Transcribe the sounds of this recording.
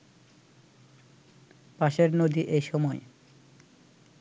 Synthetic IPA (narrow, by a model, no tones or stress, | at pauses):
paʃeɾnod̪iʔejʃɔmɔe